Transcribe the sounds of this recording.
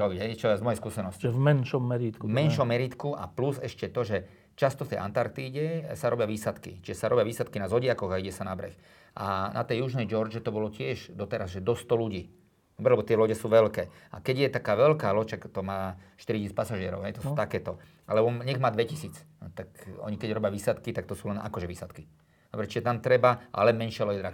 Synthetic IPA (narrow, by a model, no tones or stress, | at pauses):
ɾɔbiɟɦɛt͡ʃɔzmɔjɛjskuːsɛnɔscimɛnʃɔmːɛɾiːt̪kvmmɛnʃɔmɛɾiːt̪kuʔa̰pluzɛʃcɛt̪ɔʒɛ | t͡ʃast̪ɔft̪ɛja̰nt̪aɾkt̪iːɟɛsaɾɔbɪjaʋiːsat̪kḭt͡ʃiʒɛsaɾɔbɪjaʋiːsat̪kinazɔɟɪakɔɣaiɟɛsanabɾɛ̰x | ʔana̰t̪ɛjːuʒnɛjd͡ʒɔɾd͡ʒɛt̪ɔbɔlɔcɪɛʒd̪ɔt̪ɛɾazʒɛd̪ɔst̪ɔluɟiː | d̪ɔbɾɛlɛbɔt̪ɪɛlɔɟɛsuːʋɛlkɛː | a̰kɛɟjɛt̪akaːʋɛlkaːlɔt͡ʃakt̪ɔmaːʃt̪iɾicisit͡spasaʒɪɛɾɔ̰ʊɦɛjt̪ɔsut̪akɛːt̪ɔ | a̰lɛbɔɲɛɣmaːd̪ʋɛcisiːt͡st̪akɔ̰ɲikɛɟɾɔbɪaʋiːsat̪kit̪ak̚t̪ɔsuːlɛnʔa̰kɔʒɛʋiːsat̪ki | dd̪ɔbɾɛt͡ʃiʒɛt̪amt̪ɾɛbaʔa̰lɛmɛnʃɪalɔɟɛd̪ɾa